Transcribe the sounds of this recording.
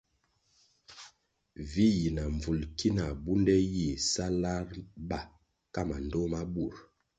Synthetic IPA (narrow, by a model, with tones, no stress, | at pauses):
vi˦ji˨na˨ɱvu˨lki˦na˨bu˦ndɛ˦ji˦˨sa˦la˦ɾba˨ | ka˦ma˨n˨do˦ma˦bu˦˨ɾ